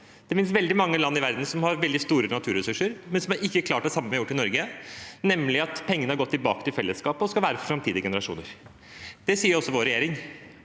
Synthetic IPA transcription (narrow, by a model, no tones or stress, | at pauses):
d̪̥ɛfɪns̬ʋɛld̪ɪmɑŋːəlɑnːɪʋæɾd̪n̩sɔmhɑɾʋɛld̪ɪst̪uːɾənɑt̪ʰʉːɾɛsʉʂːəɾmɛnsɔmæɾɪkːəkʰlɑːʈ̚d̪ɛsɑmːəmɛjʊʈːɪnɔɾɡənɛmlɪɑt̪pʰɛŋːənəhɑɾɡɔt̪ːɪlbɑ̰ːkə̥t̪ɪlfɛlːəskɑːpəɔskɑlʋæːɾəfɔfɾɑmt̪ʰiːd̪ɪəɡɛnəɾɑʂṵːnəɾ | d̪̥ɛsiːəɾɔsːɔʋoːɾɛjeːɾɪŋ